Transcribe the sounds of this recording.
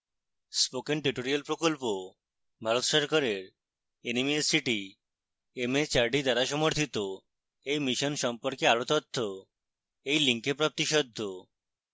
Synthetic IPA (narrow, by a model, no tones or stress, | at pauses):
spokenʈiʈoɾialpɾokolpo | bʱaɾot̪ʃɔɾkaɾeɾ | enimiesiʈi | emet͡ɕaɾɖid̪aɾaʃɔmoɾt̪ʰit̪o | ejmiʃonʃɔmpoɾkeaɾot̪ɔt̪ʰːo | ejliŋkepɾap̚t̪iʃɔd̪ʱːo